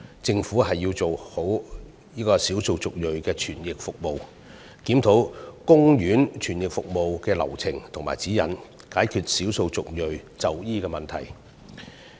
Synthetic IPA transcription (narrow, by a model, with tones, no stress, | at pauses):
t͡sɪ˧ŋfuː˨˥ɦɐ˨jːiː˧t͡so˨who˨˥w | jiː˥kɔː˧siː˨˥wso˧wt͡sʊ˨k̚jɵ˨ɥkɛː˧t͡ʃʰyː˨˩njɪ˨k̚fʊ˨k̚mo˨w | kiː˨˥mt̪ʰo˨˥wkʊ˥ŋjyː˨˥nt͡ʃʰyː˨˩njɪ˨k̚fʊ˨k̚mo˨wkɛː˧lɐ̰˨˩wt͡sʰɪ˨˩ŋt̪ʰʊ˨˩ŋma̰ː˨jt͡siː˨˥jɐ˨n | kaː˨˥jkʰyː˨˩t̚siː˨˥wso˧wt͡sʊ˨k̚jɵ˨ɥt͡sɐ˨wjiː˥kɛː˧mɐ˨nt̪ʰɐ˨˩j